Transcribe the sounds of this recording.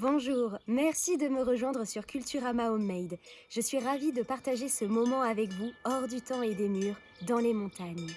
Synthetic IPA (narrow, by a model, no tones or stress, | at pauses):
bɔ̃ʒuːʁmɛʁsid̪əməʁəʒwɛ̃d̪ʁəsyʁkʲylt̪yʁamaɔmɛjd̪ʒ̥əsɥiʁavid̪əpaʁt̪aʒesəmɔmɑ̃avɛkvuɔʁd̪yt̪ɑ̃ed̪emyːʁ | d̪ɑ̃lemɔ̃t̪aɲ